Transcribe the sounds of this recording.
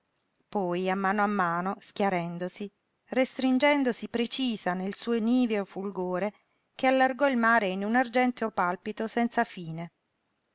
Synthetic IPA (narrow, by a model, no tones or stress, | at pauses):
pɔjamːaːnoamːaːnoskʲjaɾɛnd̪osi | rest̪ɾind͡ʒɛnd̪osipɾet͡ʃiːzanelsuːoniːveofulɡoːɾe | kealːarɡɔilmaːɾeinunard͡ʒɛnt̪eopalpit̪osɛnt̪safiːne